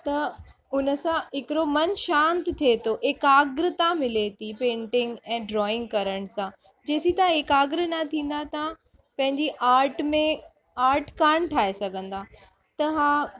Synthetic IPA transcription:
t̪ɐ | ʊnəsãɪkɪɾomɐnʃãːnt̪t̪ʰiet̪ʰoʔɪkaːɡɾɪt̪amɪlet̪ʰipẽːɳʈɪ̃ŋɡɛ̃ːɖɾɔːɪ̃ŋɡkɐɾəɽ̃sã | d͡ʑeːsit̪ɐãɦɪkaːɡɾnɐt̪ʰĩːn̆d̪at̪ã | pɐ̃ɦɪ̃ɲd͡ʑiʔaːɾʈmẽ | aːɾʈkaːɽ̃ʈʰaːɦesɐɡʱə̃nd̪aː | t̪ɐɦã

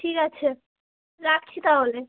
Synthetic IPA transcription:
ʈʰikat͡ɕʰe | ɾak̚t͡ɕʰit̪aɦole

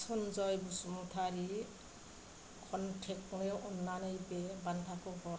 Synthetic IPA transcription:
sɔnd͡ʒɔjbusumut̪ʰaɾi | kʰɔnʈʰekneʔɔnːanɯjbebant̪ʰakoɡɔɾ

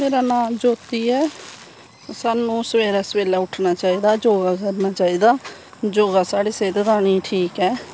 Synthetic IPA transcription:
meːɾaːnaːmd͡ʒoːt̪iːɛː | saːnũːsəʋeːɾaːsəʋeːlaːʊʈʰnaːt͡ʃaːiːd̪aːd͡ʒoːɡaːkəɾnaːt͡ʃaːiːd̪aː | d͡ʒoːɡaːsaːɽiːseːd̪d̪aːñiːʈʰiːkɛː

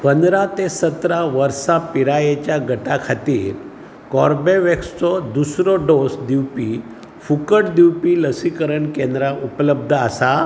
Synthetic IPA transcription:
pənd̪ɾat̪esət̪ɾaʋəɾsapiɾajet͡ɕjaɡʱəʈakʰat̪iːɾ | kɔɾbeʋekst͡sɔd̪usɾɔɖosd̪iwpi | fukəʈd̪iwpiːləsikəɾəɳkẽnd̪ɾaʔupləb̚d̪ʱəasa

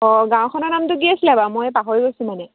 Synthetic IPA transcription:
ɔɡãw̃kʰɔnɔnamtʊɡiaslabamojpaɦoɹiɡojsũmanɛ

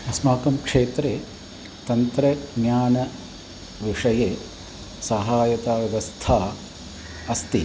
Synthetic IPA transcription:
ɐsmaːkɐmkʂeːt̪ɾe | t̪ɐnt̪ɾɐɡɲaːnɐ | ʋiʂɐje | sɐɦaːjɐt̪aːʋjɐʋɐst̪ʰaː | ɐst̪i

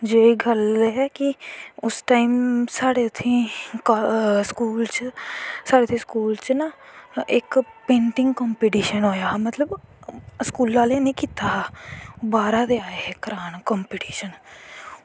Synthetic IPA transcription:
d͡ʒeːiɡəlɦɛːkiʊsʈaːimsaːɽeːt̪ʰĩːkːskuːlt͡ʃsaːɽeːt̪ʰĩːskuːlt͡ʃnaɪkpẽːɳʈɪ̃ŋɡkɔːmpiːʈiːʃənɦoːjaːmət̪ləb | skuːlːaːleːnĩːkiːt̪aːɦ | baːɾad̪eaːeɦɛkəɾaːnkɔmpiːʈiːʃən

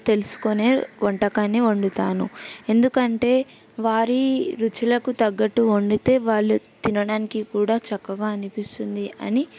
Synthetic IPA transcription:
t̪e̞lusu̥kone̞ːʋɔɳʈɐkaːnːioɳɖut̪aːnṵe̞nd̪ukɐɳʈe̞ː | ʋaːɾiɾut͡ʃulɐkut̪ɐɡːɐʈːuoɳɖit̪e̞ːʋaːɭːut̪inɐɽaːnikikuːɽaːt͡ʃɐkːɐɡaːɐnipist̪und̪iʔɐ̰ni

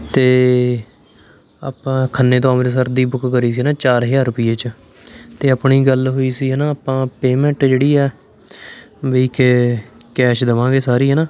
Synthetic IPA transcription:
t̪eː | aːpãːkʰənːeːt̪oaːmːɾes̬əɾd̪iːbʊkkəɾiːs̬iːnãːt͡ʃaːɾɦɪd͡ʒaːɾʊpɪjeːt͡ʃ | t̪eːaːpɳiːɡəlɦoːiːsiːɦɛːnaːaːpãːpeːmɛ̃ɳʈd͡ʒeːɽiːɛː | ʋeiːk | kɛːʃd̪əʋãːɡeːsaːɾiːɦɛːnaː

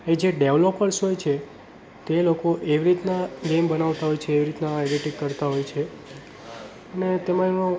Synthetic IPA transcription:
ed͡ʒeɖeʋlopːəɾsɦojt͡ʃʰe | t̪elokoʔeʋiɾit̪naɡembənaʋt̪aɦojt͡ʃʰeːʋiɾit̪naeɖiʈikːəɾt̪aɦojt͡ʃʰe | ənet̪emãeo

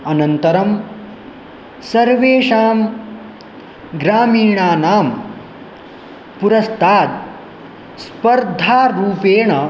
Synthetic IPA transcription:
ɐnɐnt̪ɐɾɐm | sɐɾʋeːʂaːm | ɡɾaːmiːɳaːnaːm | puɾɐst̪ʰaːt̪ | spɐɾd̪ʱaːɾuːpeːɳɐ

